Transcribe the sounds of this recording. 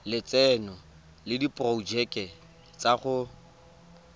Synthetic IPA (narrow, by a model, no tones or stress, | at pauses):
lɪt͡sɛnɔ | lɪdipʼrɔd͡ʒɛkʼɛ | t͡sʼaχʊ